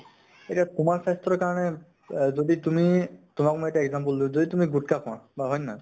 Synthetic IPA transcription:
eʈiat̪umaɹsast̪ɾɔɹkaɹɔnɛ | zoditumitʊmakmɔjeʈaeɡzampəldizoditumiɡuʈkapʰɔ̃ãbaɦɔjna

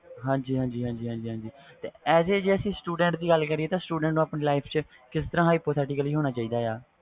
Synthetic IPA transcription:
ɦãːɲd͡ʒiːɦãːd͡ʒiːɦãːd͡ʒiːɦãːd͡ʒiːɦãːd͡ʒiːt̪eːɛːzeːd͡ʒeːəsĩːsʈuːɖɛ̃ːɳʈd̪iːɡəlkəɾiːeːt̪ãːsʈuːɖɛ̃ɳʈnũːaːpneːlaːɪpʰt͡ʃə | kɪst̪əɾãːɦaːiːpoːt̪ʰɛːʈɪkəliːɦoːñaːt͡ʃaːiːd̪aːjaː

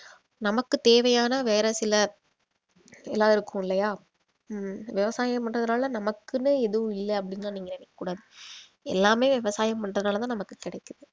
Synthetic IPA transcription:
nɐmɐkːɯt̪eːʋɐjaːnɐʋeːɾɐsɪlɐ | ɛlːaːðɪɾɯkːɯ̃mɪlːɐjaː | ʋɪʋɐsaːjɐmpɐɳrɐðɐnaːlɐnɐmɐkːɯnːɯɛðɯʋɯ̃ɪlːɐɐpːɐɽɪnːɐnaːniːŋɡɐnɛʋɛkːɐkːuːɽaːðɯ | ɛ̰lːaːmeːʋɪʋɐsaːjɐmpɐɳɖrɐðɐnaːlɐt̪ãːnɐmɐkːɯkːɪɽɐɪkːɯðɯ

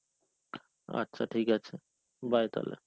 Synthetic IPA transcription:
a̰tːɕʰaʈʰiːkat͡ʃʰe | bajt̪a̰lḛ

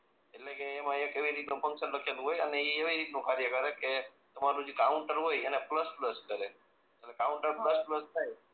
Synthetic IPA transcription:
eʈlekeːmãekeʋiɾit̪nũpəŋsənləkʰelũɦojəneieʋiɾit̪̚nũkaɾjəkəɾeket̪əmaɾũd͡ʒekauɳʈəɾɦojenepləspləskəɾe | əlekauɳʈəɾpləspləst̪ʰaj

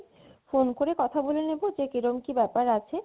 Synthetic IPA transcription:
fonkoɾekɔt̪ʰabolenebod͡ʑekeɾomkibɛpaɾat͡ɕʰe

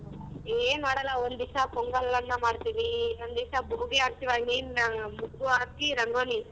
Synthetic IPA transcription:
eːmaːɽɐlaond̪isapɔŋɡɐlɐnːɐmaːɽt̪iːʋiond̪isabuuɡeɐɾt̪ːiʋaːninnamukːuaːkːiɾɐŋɡoːni

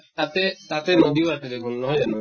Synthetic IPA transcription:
t̪at̪et̪at̪enod̪ioat̪ed̪ekʰunːɔɦoeano

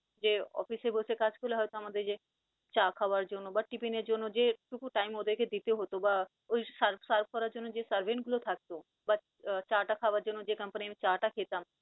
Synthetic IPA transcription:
d͡ʒeːɔ̰ːfʰisebʱosekat͡ʃkuleɦɔjt̪amad̪ed͡ʒe | t͡ʃaːkʰaʋaɾd͡ʒonõbɐʈipined͡ʒonõd͡ʒeʈukuʈaːɪmod̪eked̪it̪eɦot̪oba | oisəɾbsaɾb̚kɔɾad͡ʒonõd͡ʒesəɾʋenɡʊlot̪ʰak̚t̪o | ba | t͡ʃaːʈakʰaːʋad͡ʒonõd͡ʒekɐmpənimẽt͡ʃaːʈakʰeːt̪am

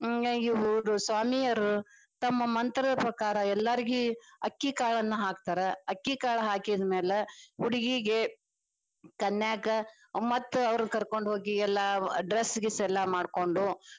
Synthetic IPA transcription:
iʋuɾusʋaːmijɐɾu | t̪ɐmːɐmɐnt̪ɾɐd̪ɐpɾɐkaːɾɐɛlːɐɾiɡiɐkːikaːɭɐnːɐɦaːk̚t̪aːɾeɐkːikaːɭɐɦaːkid̪meːleuɽiɡiɡe | kɐnːjaːkɐ | mɐt̪ːuɐʋɾnɐkɐɾko̞ɳɖɦo̞ːɡiɛlːɐɖɾesːɡesɛlːɐmaːɖko̞ɳɖu

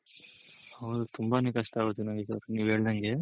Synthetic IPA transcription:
ɐʋd̪ut̪umbanekɐʂʈɐaːɡot̪ːunɐŋɡikɐɾniːʋɦe̞ːɭd̪ɐŋɡe̞

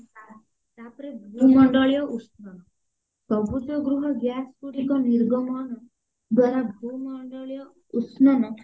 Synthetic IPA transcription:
a | t̪apɾebʱumɔɳɖɔɭjɔʔusnɔn | pɔbʱut̪ɔɡɾuɦɔɡjaskuɽikɔniɾɡɔmɔn | d̪waɾabʱumɔɳɖɔɭjɔ | utsnanɔ

